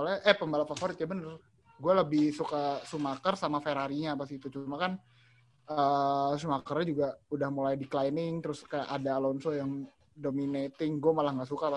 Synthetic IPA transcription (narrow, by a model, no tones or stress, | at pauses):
olaʔɛhpəmbalafafoɾɪt̪̚jabənər | ɡualəbɪhsukasumakərsamafeɾaɾiɲapasit̪ut͡ʃumakan | əːsumakərɲad͡ʒuɡaudahmulajdiklajnɪŋt̪əɾʊskaja̰ʔadaːlɔnsojaŋ | dominet̪ɪŋɡuamalahŋɡaʔsukapa